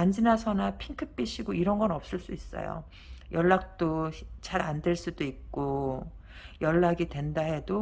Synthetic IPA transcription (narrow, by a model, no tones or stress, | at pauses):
aɲd͡ʑinasʰʌnapʰiŋkʰɯp͈iɕʰiɡoiɾʌnɡʌnʌp̚s͈ɯɭs͈uis͈ʌ̰jo̰ | jʌɭːak̚t͈ot͡ɕaɾandeɭs͈udoik̚k͈o | jʌɭːaɡidwe̞ndaɦe̞do